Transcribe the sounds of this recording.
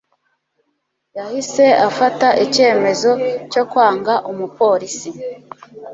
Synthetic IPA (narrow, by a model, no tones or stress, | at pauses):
jahise̞afataʔice̞ːme̞zo̞co̞kwaːŋɡaʔomupo̞ɾisi